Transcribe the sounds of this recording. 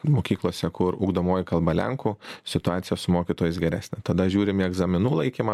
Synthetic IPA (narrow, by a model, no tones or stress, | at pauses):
moːkʲiːklˠuɔsʲɛkʊɾʊːɡd̪oːmoːjɪkɐlˠbɐlʲɛ̰ŋkʊsʲɪt̪ʊɑːt̪sʲɪjɛsʊmoːkʲiːt̪oːjɪs̬ɡʲɛɾʲæːsʲnʲɛt̪ɐd̪ɐʒʲuːɾʲɪmɪɛɡzɐmʲɪnuːlˠɐɪkʲiːmɐ